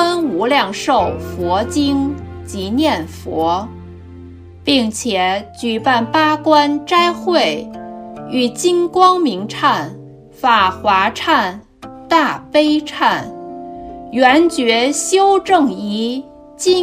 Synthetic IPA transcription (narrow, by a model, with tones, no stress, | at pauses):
ə˥nu˧˥ljɑ˥˧ŋʂo˥˩ʊfwɔ˧˥t͡ɕi˥ŋt͡ɕi˧˥njɛ˥˩nfwɔ˧˥ | pi˥˩ŋt͡ɕʰjɛ˨˩t͡ɕy˨˩pa˥˩npa˥kwa˥nʈ͡ʂa˥ɪxwe˥˩ɪ | y˨˩t͡ɕi˥ŋkwɑ˥ŋmi˧˥ŋʈ͡ʂʰa˥˩n | fa˨˩xwa˧˥ʈ͡ʂʰa˥˧n | t̪a˥˩pe˥ɪʈ͡ʂʰa˥˩n | ɥɛ˧˥nt͡ɕɥɛ˧˥ɕjo˥ʊʈ͡ʂɤ˥˩ŋi˧˥ | t͡ɕi˥